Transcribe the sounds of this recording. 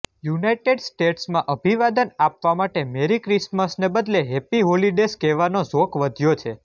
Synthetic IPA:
junajʈeɖsʈeʈsmãʔəbʱiʋad̪ənapʋamaʈemeɾikɾisməsnebəd̪leɦepiɦoliɖeskeʋanozokʋəd̪ʱjot͡ʃʰe

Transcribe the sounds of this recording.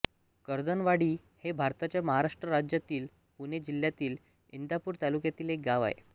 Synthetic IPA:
kəɾd̪ənʋaɽiː | hebʱaɾt̪at͡ɕjaməɦaɾaʂʈɾəɾad͡ʑjat̪iːl | puned͡ʑiljat̪iːl | ind̪apuːɾt̪alukjat̪iːlek̚ɡaʋa̰ɦḛ

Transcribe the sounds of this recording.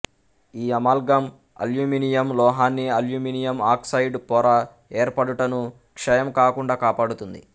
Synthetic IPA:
iːɐmaːlɡɐm | ɐ̰ljuːminijɐmlɔːɦaːnːiɐljuːminijɐmaːksɐjɖpɔːɾa | eːɾpɐɽuʈɐnu | kʂɐjɐmkaːkuɳɖaːkaːpaːɽut̪und̪ḭ

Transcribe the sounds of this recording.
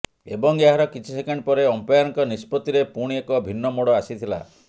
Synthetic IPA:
ebɔŋeɦaɾɔkit͡ʃʰisekeɳɖpɔɾeɔmpejaɾŋkɔnispɔt̪iɾepuɽ̃iekɔbʱinːɔmoɽɔasit̪ʰila̰

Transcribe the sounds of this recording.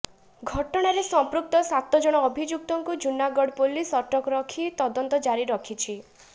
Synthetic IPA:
ɡʱɔʈɔɽ̃aɾesɔmpɾuk̚t̪ɔsat̪ɔd͡ʒɔɽ̃ɔːbʱid͡ʒuk̚t̪ɔŋkud͡ʒunaɡɔɽpolisɔʈɔkɔɾɔkʰit̪ɔd̪ɔnt̪ɔd͡ʒaɾiɾɔkʰit͡ʃʰi

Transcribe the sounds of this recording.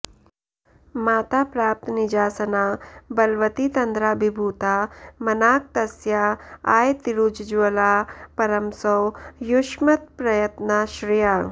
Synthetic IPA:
maːt̪aːpɾaːp̚t̪nid͡ʒaːsɐnaːbɐlʋɐt̪it̪ɐnd̪ɾaːbʱibʱuːt̪aːmɐnaːk̚t̪ɐsjaaːjt̪iɾud͡ʒd͡ʒuʋɐlaːpɐɾɐmsɐwjuʃmɐt̪̚pɾɐjɐt̪naʃɾijaː

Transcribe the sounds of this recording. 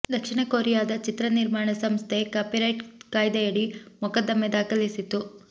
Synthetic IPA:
d̪ɐkʂiɳɐkoːɾijaːd̪ɐt͡ʃit̪ɾɐniɾmaːɳɐsɐmst̪ʰe̞kaːpiɾɐjʈkaːjd̪ɐjɐɽimɔkɐd̪ɐmːɛd̪aːkɐlisit̪u

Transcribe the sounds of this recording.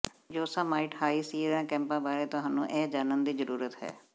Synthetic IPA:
d͡ʒoːsãːmaːɪʈhaːiːsiːɾãːkɛ̃ːmpãːbaːɾeːt̪ʊɦãːnṵ̃ːʔɛːd͡ʒaːnənd̪iːzəɾuːɾət̪ɦɛ̰ː

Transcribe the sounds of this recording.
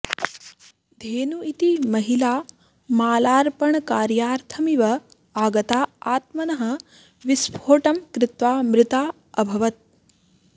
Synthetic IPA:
d̪ʱeːnuit̪imɐɦilaː | maːlaːɾpɐɳɐkaːɾjaːɾt̪ʰɐmiʋɐ | aːɡɐt̪aːaːt̪mɐnɐɦɐ̆ | ʋispʰoːʈɐmkɾɪt̪ʋaːmɾɪt̪aː | ɐbʱɐʋɐt̪̚

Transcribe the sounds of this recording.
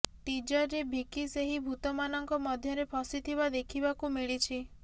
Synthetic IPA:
ʈid͡ʒɔɾɾebʱikiseɦibʱut̪ɔmanɔŋkɔmɔd̪ʱjɔɾepʰɔsit̪ʰiβad̪ekʰibakumiɭit͡ʃʰi

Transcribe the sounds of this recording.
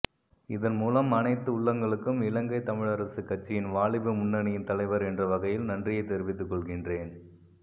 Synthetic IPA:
ɪðɐnmuːlɐmɐnɐɪt̪ːɯʊɭːɐŋɡɐɭɯkːɯmɪlɐŋɡɐɪt̪ɐmɪɻɐɾɐsɯkːɐʈ̚t͡ʃːɪjɪnʋaːɭɪʋɯmʊnːɐɳɪjɪnt̪ɐlɐɪʋɐɾɛndrɐʋɐɣɐjɪlnɐndrɪjɐɪt̪ːɛɾɪʋɪt̪ːɯkːɔɭɣɪndreːn

